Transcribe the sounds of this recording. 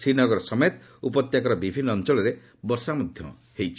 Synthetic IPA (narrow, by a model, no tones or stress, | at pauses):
sinɔɡɔɾɔsɔmet̪ | upɔt̪jakɔɾɔbibʱinːɔːnt͡ʃɔlɔɾe | bɔɾsamɔd̪ʱjɔ̰ | hejt͡ʃʰi̥